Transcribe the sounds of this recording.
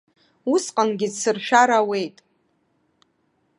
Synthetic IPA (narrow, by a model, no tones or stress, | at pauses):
usqʼanɡʲɪsɨrʃᶣaɾawe̞jtʼ